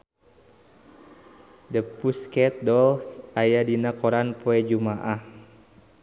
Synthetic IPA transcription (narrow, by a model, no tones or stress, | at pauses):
dəpuskɛt̪̚dɔlsʔajadinakɔɾanpɔɛd͡ʒumaʔah